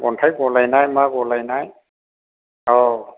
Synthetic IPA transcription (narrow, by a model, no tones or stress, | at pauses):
ɡɔntʰajɡɔlajnajmaɡɔlajnaj | ɔ